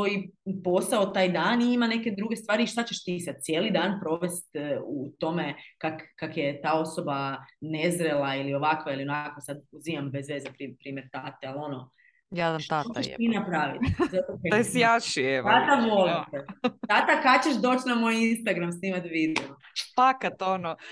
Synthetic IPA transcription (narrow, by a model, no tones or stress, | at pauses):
t̪o̞jipo̞saot̪aːjd̪aːniimane̞ke̞d̪ɾuɡest̪ʋaːɾiʃt̪at͡ɕeʃt̪isad̪̚t̪sjelid̪aːnpɾo̞ʋe̞st̪ut̪o̞me̞kakːakjet̪aːo̞so̞bane̞zɾelˠailio̞ʋakʋailio̞nakosad̪uzijambezʋeːzapɾipɾiːmjeɾt̪at̪ealo̞no | jad̪at̪aoeʃt̪inapɾaʋit̪zat̪okaasjaʃieat̪aʋo̞lit̪et̪at̪akat͡ɕeʃd̪o̞ːt͡ɕnamo̞jinst̪aɡɾamsnimad̪ʋid̪eo | fakat̪ono